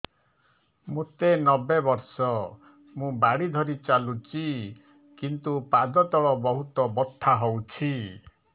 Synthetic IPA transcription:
mũt̪enɔbebɔɾsɔ | mũbaɽid̪ʱɔɾit͡ʃalut͡ʃi | kint̪upad̪ɔt̪ɔɭɔbɔɦut̪ɔbɔt̪ʰːaɦowt͡ʃʰi

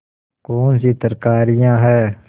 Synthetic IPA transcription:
koːnsit̪əɾkaːɾɪjãːɦɛː

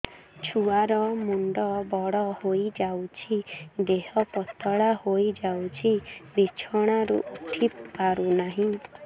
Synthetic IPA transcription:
t͡ʃʰuaɾɔmuɳɖɔbɔɽɔhojd͡ʒawt͡ʃʰid̪eɦɔpɔt̪ʰɔɭahojd͡ʒawt͡ʃʰibit͡ʃʰɔɽ̃aɾṵʔuʈʰipːaɾunaɦĩ

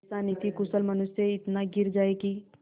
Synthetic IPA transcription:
saːnit̪ikʊsəlmɐnʊsjəɪt̪naɡɪɾd͡ʒaːeki

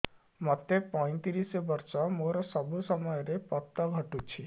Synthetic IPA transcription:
mɔt̪epɔj̃t̪iɾisɔbɔɾsɔmoɾɔsɔbʱusɔmɔjɔɾepɔt̪ːɔɡʱɔʈut͡ʃʰi

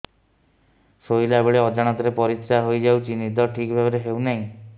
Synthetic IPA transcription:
soilabeɭeɔd͡ʒaɽ̃at̪ɔɾepɔɾit̪saɦojd͡ʒawt͡ʃinid̪ʱɔʈʰikbʱabɔɾeɦewnaĩ

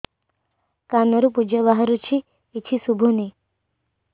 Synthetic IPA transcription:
kanəɾupud͡ʒəbaɦaɾut͡ʃʰiː | tʰisubʱuni

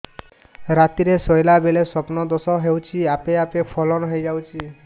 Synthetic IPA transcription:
ɾat̪iɾesɔjlabelesɔpnɔd̪ɔsɔɦewt͡ʃʰiapeapepʰɔlɔnɔɦejd͡ʒawt͡ʃʰi

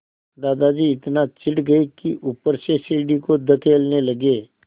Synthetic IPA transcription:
d̪aːd̪ad͡ʒiːɪt̪nat͡ʃɪɽɡɐikiʔupəɾseseːɖikod̪ɐkʰeːlnelɐɡeː

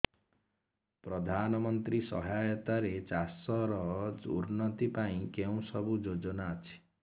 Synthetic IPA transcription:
pɾɔd̪ʱanɔmɔnt̪ɾisɔ̰ɦajɔt̪aɾet͡ʃasɔɾɔd͡ʒṵɾnɔt̪ipaĩkeũsɔbud͡ʒod͡ʒɔnaːt͡ʃʰi̥

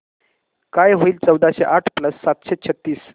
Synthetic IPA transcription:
kajɦoiːlt͡səwd̪aɕeʔaʈʰpləsːat̪ɕet͡ɕʰət̪ːiːs

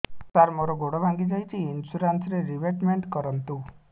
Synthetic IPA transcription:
t̪aɾmoɾɔɡoɽobʱaŋɡid͡ʒajt͡ʃʰiːnsuɾansɾeɾibeʈmeɳʈkɔɾɔnt̪u

